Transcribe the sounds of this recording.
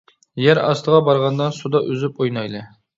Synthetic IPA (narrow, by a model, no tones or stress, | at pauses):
jæɾɑ̰st̪ʰəʁɑbɑɾʁɑnd̪ɑsud̪ɑʔøzypojnɑjlˠɨ